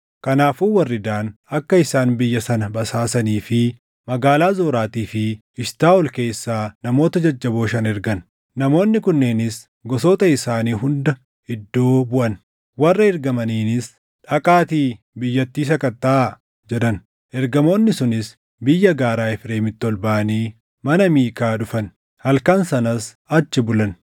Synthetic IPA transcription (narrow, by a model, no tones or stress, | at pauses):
kɐnaːfuːwɐrːɪd̪aːnɐkːɐɪsaːnbɪjːɐsɐnɐbɐsaːsɐniːfɪ | mɐɡaːlaːzoːɾaːt̪iːfɪ | ɪʃt̪aːɔlke̞ːsːaːnɐmo̞ːt̪ɐd͡ʒɐd͡ʒːɐboːʃɐnɛɾɡɐn | nɐmo̞ːnːɪkʊnːeːnɪs | ɡɔsoːt̪ɐɪsaːniːɦʊnd̪ɐ | hɪd̪ːo̞ːbʊʔɐn | wɐrːɐɛɾɡɐmɐniːnɪs | ᶑɐkʼaːt̪iː | bɪjːɐt̪ːiːsɐkɐt̪ːaː | d͡ʒɛᶑɐn | ʔɛɾɡɐmo̞ːnːɪsʊnɪs | bɪjːɐɡaːɾaːɪfɾeːmɪt̪ːɔlbaʔɐniː | mɐnɐmiːkaːᶑʊfɐn | hɐlkɐnsɐnɐs | ɐt͡ʃːɪbʊlɐn